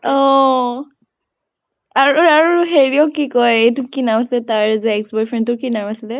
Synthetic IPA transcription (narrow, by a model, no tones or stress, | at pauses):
ɔ | aɹuaɹuɦeɹiɔkikɔjejtʊkinawaslɛtaɹzɛːksbɔjpʰɹentʊkinawasilɛ